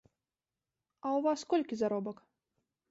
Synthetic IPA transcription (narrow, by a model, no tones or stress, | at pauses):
ɐwvaskɔlʲkʲizaɾɔbɐk